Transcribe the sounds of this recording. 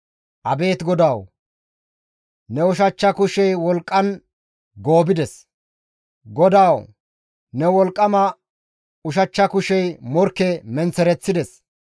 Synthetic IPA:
ʔɐbe̞ːt̪ɡɔd̪aːw | nɛʊʃ̬ɐt͡ʃːɐkʊʃɛjwɔlkʼːɐn | ɡo̞ːbɪd̪ɛs | ɡɔd̪aːw | nɛwɔlkʼːɐmɐ | ʊʃɐt͡ʃːɐkʊʃɛjmɔɾkːɛmɛnt͡sɛɾɛt͡sːɪd̪ɛs

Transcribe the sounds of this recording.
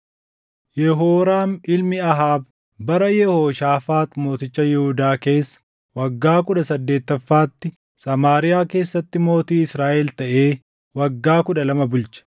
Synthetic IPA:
jɛɦoːɾaːnɪlmɪɐɦaːb | bɐɾɐjɛhoːʃaːfaːt̪mo̞ːt̪ɪt͡ʃːɐjɛhʊd̪aːke̞ːsːɐ̥ | wɐɡːaːkʊᶑɐsɐd̪ːe̞ːt̪ːɐfːaːt̪ːɪ | sɐmaːɾɪjaːke̞ːsːɐt̪ːɪmo̞ːt̪iːɪsɾaːʔɛlt̪ɐʔe̞ː | wɐɡːaːkʊᶑɐlɐmɐbʊlt͡ʃɐ̥

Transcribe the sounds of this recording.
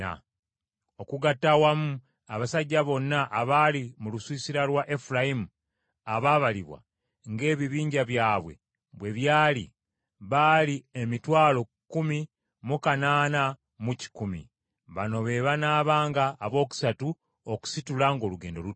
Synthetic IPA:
a̰ | o̞kuɡatːawamu | aβasaɟːaβo̞nːaʔːβalimuluswiːsiɾalwaʔe̞fulaimu | aβaβaliβwa̰ | ŋɡe̞ːβiβiːɲɟaβjaːβwe̞̰ | βwe̞βjaːlḭ | βaliemitwaːlo̞ | kːumi | mukanaːna | muci̥kumḭ | βano̞βe̞ːβanaːβaːŋɡaːβo̞ːku̥satu | oku̥situlaŋɡoːluɡe̞ːndo̞̰lu

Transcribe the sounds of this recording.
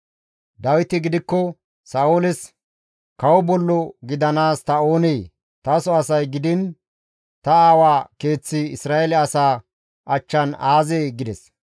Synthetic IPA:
d̪ɐwɪt̪ɪɡɪd̪ɪkːɔ | saːʔʊlɪs | kɐwɔbɔlːɔɡɪd̪ɐnaːst̪ɐo̞ːneː | t̪ɐsɔɐsɐjɡɪd̪ɪn | t̪ɐaːwaːke̞ːt͡sːɪɪsɾaːelɛɐsaː | ʔɐt͡ʃːɐnaːzeːɡɪd̪ɛs

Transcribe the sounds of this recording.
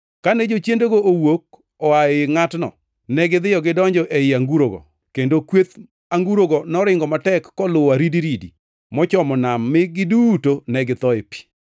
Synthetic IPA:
kanɛd͡ʒot͡ʃjendoɡoʔowok̚ | ɔaɪŋatnɔ̰ | nɛɡɪd̪ɪjɔɡɪdɔɲd͡ʒɔʔeɪaŋɡuɾoɡɔ̰ | kendokwet̪ | aŋɡuɾoɡɔnɔɾɪŋɡɔmatɛkːɔlʊwaɾidiɾidi | mɔt͡ʃɔmɔnamːɪɡɪduːtonɛɡɪt̪ɔepi̥

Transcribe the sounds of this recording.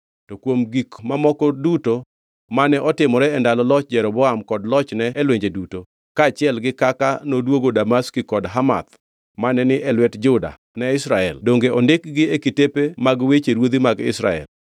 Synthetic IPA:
tɔkwomɡikmamɔkɔduto | manɛʔɔtɪmɔɾɛɛndalɔlɔt͡ʃd͡ʒɛɾɔbɔamkɔdlɔt͡ʃnɛːlweɲd͡ʒeduto | kaːt͡ʃɪɛlɡɪkakanodwoɡodamaskikɔdɦama̰t̪̚ | manɛnɪʔɛlwɛtd͡ʒʊda̰ | nɛɪsɾaɛldoŋɡeʔɔndɪk̚ɡɪekɪtepemaɡwet͡ʃeɾwod̪imaɡɪ̰sɾa̰ɛ̰l

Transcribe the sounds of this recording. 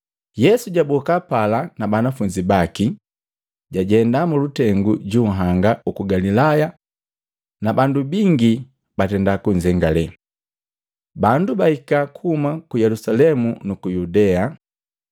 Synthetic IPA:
jɛsuɟabɔkapalanabanafuɲd͡ʒibaki | ɟaɟɛndamulutɛŋɡuɟuːɦaŋɡaukuɡalilaja | nabandubiŋɡi | batɛndakuɲd͡ʒɛŋɡalɛ | bandubahikakuhumakujɛlusalɛmunukujudɛa

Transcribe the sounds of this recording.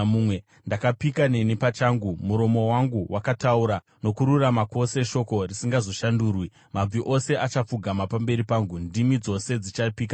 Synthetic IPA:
uwe | ndakapikane̞nipat͡ʃaːŋɡumuɾo̞mo̞waŋɡuwʔakatauɾa | no̞kuɾuramako̞se̞ʃo̞ko̞risiŋɡazo̞ʃanduːrwi | mab͡viʔose̞ʔat͡ʃap͡fuɡʱamapambe̞ɾipaːŋɡundimid͡zo̞se̞d͡zit͡ʃapiːka

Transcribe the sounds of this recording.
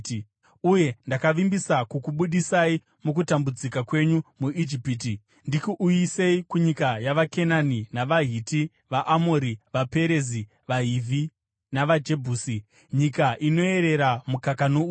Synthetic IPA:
uje̞ndakaʋimbisakukuɓuɗisai | muk̬utambud͡zikakwe̞ɲumuid͡ʒipiːti | ndikuʔujise̞ikuɲikajaʋake̞naninaʋaɦiti | ʋaʔamoɾiʋape̞ɾe̞zi | ʋaɦivʱi | naʋad͡ʒe̞bʱuːsi | ɲikaʔino̞e̞ɾe̞ɾamukakano

